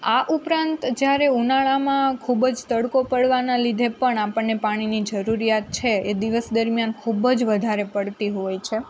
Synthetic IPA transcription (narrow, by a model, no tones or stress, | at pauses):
aʔupɾãnt̪d͡ʒjaɾeunaɭamãkʰubd͡ʒt̪əɽkopəɽʋanalid̪ʱepəɳapəɳːepaɽ̃inid͡ʒəɾuɾijat̪̚t͡ʃʰeed̪iʋəsd̪əɾmjankʰubd͡ʒʋəd̪ʱaɾepəɽt̪iɦojt͡ʃʰe